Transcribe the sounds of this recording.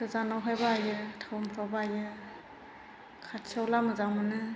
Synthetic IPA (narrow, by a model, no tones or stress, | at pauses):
kɯzanawɦajbaːjɯtʰawmpʰawbaːjɯ | kʰasʰiawlamɯzaŋmɯnɯ